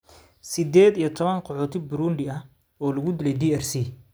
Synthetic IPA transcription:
sɪd̪ɛːd̪ijɞt̪ʰɔβɐŋqɔħɔːt̪ʰɪbʊɾuːnɖɪɐh | ɔːlɐɣʊd̪ɪlɛjd̪iːɛrsiː

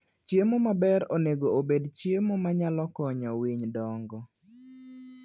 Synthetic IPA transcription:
t͡ʃjemomabɛɾoneɡoobedt͡ʃiemomaɲalɔkɔɲɔwiɲdɔŋɡɔ

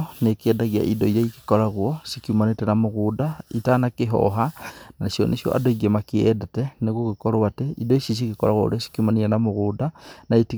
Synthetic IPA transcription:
nekɛdaɣja̰ʔidoijaiki̥koɾaɣwɔsikiumanetɛnamoɣudaitanakeɦɔ̰ɦanaeʃjɔ̰nʔḛʃjɔ̰ʔa̰doiɡemakiɛdetɛneɣoɣekoɾowateʔidoisis̬ikikoɾaɣwo̰o̰ɾesi̥kiumanianamoɣudanaiti

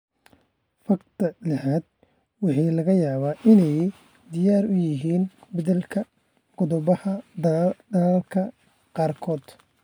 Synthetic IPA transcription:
fɐqt̪ʰɐlɐhaːd̪̚ | wɑħɑːlɐɣɐjaːβaːʔɪnɛj | d̪ɪjaːrʊjɪɦiːnbɐðɛlkʰɐ | ɡ̥ʊðʊβɐhɐ | d̪ɐlaːlkʰɐ | qɑːrkʰɔːd̪̥

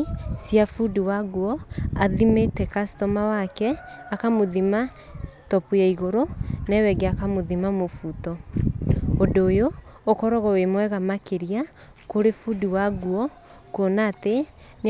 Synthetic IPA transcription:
siafudiwaɡuɔaðimetɛkastɔmawakɛakamoðima | tɔpujaiɣoɾonɛwɛɡeakamoðimamofutɔ | odoːjoː | kɔɾɔɣɔwemwɛɣamakeɾia | koɾefudiwaɡuɔ | konate | n

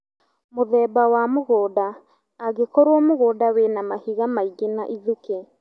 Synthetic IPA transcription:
moðɛːbawamoɣɔːdaː | ɣekɔɾwɔmoɣɔːdawenamahiɣamaiɡena̰ʔiðuke

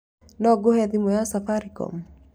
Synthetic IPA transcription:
nɔɡohɛðimojasafaɾikɔ̰m

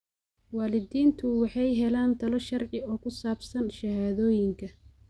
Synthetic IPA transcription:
waːlɪdiːnt̪ʰʊwɑħɑjɦɛlaːnt̪ʰɐlɔʃɐrʕɪɔːkʰʊsaːbsɐnʃɐhaːðɔːjɪŋkʰɐ

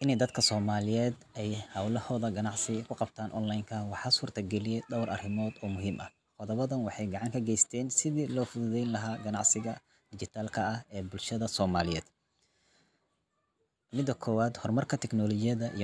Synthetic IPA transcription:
ʔɪnɛjd̪ɐd̪kʰɐsɔːmaːlɪjɛːd̪ | ɛjhɐwlɐhɔːðɐɡɐnɑʕsɪkʰʊqɑbt̪ʰaːnʔɔnlajŋkʰɐwɑħɑːsuːrt̪ʰɐɡɛlɪjɛjd̪ɐwɾʔɐ̰rɪmɔːd̪ɔːmʊɦiːmʔɐ | qɔðɐβɐðɐnwɑħɑjɡɑʕɑŋkʰɐɡɛjst̪ʰɛːnsɪðiːlɔːfʊðʊðɛjnlɐɦaːɡɐnɑʕsɪɣɐ | d̪̥ɪd͡ʒɪt̪ʰaːlkʰɐɐhɛːbʊlʃɐðɐsɔːmaːlɪjɛːd̪̥ | mɪd̪ːɐkʰɔːwaːd̪hɔrmɐrkʰɐt̪ʰɛknɔlɔt͡ʃɪjɐðɐʔij

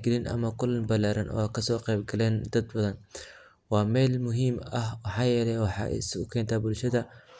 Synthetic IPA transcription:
ɡɪlɪnʔɐ̰mɐkʰʊlːɐnbɐlaːɾɐnʔɔ̰ːaːkʰɐsɔːqɛjbɡɐlɛːnd̪ɐd̪bɐðɐn | wɑːmɛːlmʊɦiːmɐhwɑħɑːjɛːlɛwɑħɑ̰ʔsʊkʰɛːnt̪ʰaːbʊlʃɐðɐ

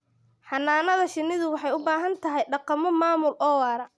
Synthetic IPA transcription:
ħɑnːaːnɐðɐʃɪnːɪðʊwɑħɑjʊbaːɦɐnt̪ʰɐɦɛjɖɑqɑmɔmaːmʊlʔɔːwaːɾɐ

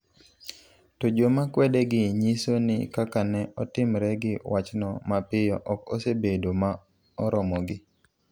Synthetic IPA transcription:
tod͡ʒomakwɛdɛɡɪɲisonɪ̰kakanɛɔtɪmɾɛɡɪwat͡ʃnɔmapɪjɔʔɔkɔ̰sebedoma | ɔɾɔmɔɡɪ

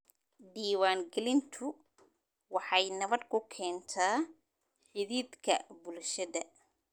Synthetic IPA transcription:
ɖiːwaːŋɡɛlɪnt̪ʰʊ | wɑħɑjnɐβɐd̪kʰʊkʰɛːnt̪ʰaː | ħɪðiːd̪kʰɐbʊlʃɐðɐ

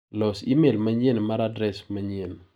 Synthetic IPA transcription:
lɔsimelmaɲenmaɾadɾɛsmaɲen

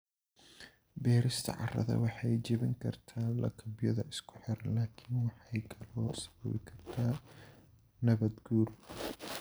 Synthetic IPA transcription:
bɛːɾɪst̪ʰɐ̰ʕɑ̰rɐ̰ðɐ̰wɑħɑjd͡ʒɪβɪŋkʰɐrt̪ʰaːlɐ̰kʰɐbjɐðɐʔɪskʰʊ̥ħɪɾlaːkʰɪnwɑħɑjkʰɐlɔːsɐ̥βɐ̰βɪkʰɐrt̪ʰaː | nɐβɐd̪ɡuːr

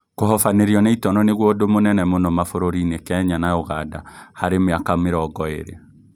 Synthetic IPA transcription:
koɦɔfaneɾjɔneitɔnɔneɣwodomonɛnɛmonɔmafoɾoɾinekɛɲanaoɣada̰haɾemeakameɾɔɡɔḛɾḛ

